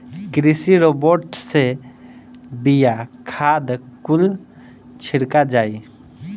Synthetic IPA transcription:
kɾisiɾoboɾʈse | bijakʰad̪kul | t͡ʃʰɪɽkad͡ʒaːi

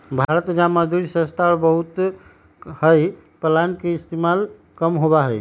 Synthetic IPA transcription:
bʱaɾət̪d͡ʒamad̪ʱuɾisə̃st̪ʰaɾbəɦut̪ | həj | pəlankeist̪emal | kəmɦobaɦəj

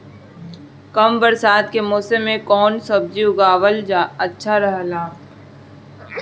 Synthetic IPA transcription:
kɐmbəɾsaːd̪kemɔːsemːẽkɔːnsəb̚d͡ʒiʊɡaːwəld͡ʒaːɐtːʃʰaɾəɦlaː

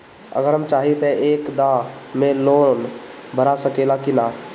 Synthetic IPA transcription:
ə̰ɡəɾɦɐmt͡ʃaːɦit̪eeːkd̪ãmẽloːn | bʱəɾasəkeːlakinaː

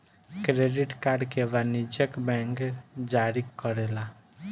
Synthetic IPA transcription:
kɾeɖiʈkaɾɖkeʋanid͡ʒəkbɛ̃ŋkd͡ʒaɾikɔɾela

